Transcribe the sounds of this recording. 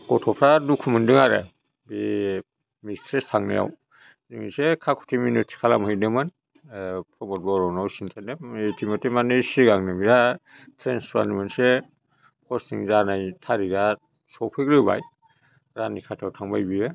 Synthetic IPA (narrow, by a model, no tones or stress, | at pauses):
kɔtʰɔpʰɾadukʰumɯndɯŋaɾḛ | bi | mistɾestʰaŋnḛja̰w | ziŋḭsekʰakʰu̥tʰiminɯtʰi̥kʰalamɯjnɯmɯn | pʰɾɔmɔt̚bɔɾɔnawsintʰaneetʰimatemanɯsiɡaŋnɯmiɾa | tʰɾensɾa̰nimɯnse | pʰɔsnḭŋzanajtʰaɾiɡa | sɔpʰɯkɾɯba̰j | ɾanikʰatʰawtʰaŋbajbiɯ